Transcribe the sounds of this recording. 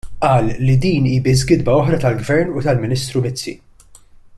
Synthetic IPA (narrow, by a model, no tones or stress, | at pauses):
ʔɐːlːid̪iːniːbɪz̬ɡɪd̪bɐɔħɾɐt̪ɐlɡvɛɾnut̪ɐlmɪnɪːst̪ɾumɪt͡sːḭ